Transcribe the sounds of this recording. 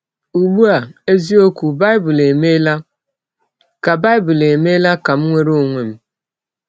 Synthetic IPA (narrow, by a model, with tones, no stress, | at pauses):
u˨ɡ͡bu˦a˨e˦zi˦o˦kʷu˨ba˦ɪ˦bʊ˨le˨me˦la˦ | ka˨ba˦ɪ˦bʊ˨le˨me˦la˦ka˨m̩˦ŋʷe˦ɾo˦˨ŋʷe˨m̩˦